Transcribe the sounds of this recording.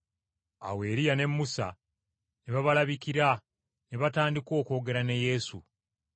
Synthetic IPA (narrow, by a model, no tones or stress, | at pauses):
a̰we̞ːɾijane̞mːusa̰ | neβaβalaβikiɾa | neβataːndiko̞ːko̞ːɡe̞ɾaneje̞sṵ